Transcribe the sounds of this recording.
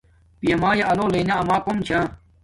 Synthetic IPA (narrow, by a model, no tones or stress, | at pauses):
pijɐmaːjaʔɐloːleːnaɐmaːkomt͡ɕʰãː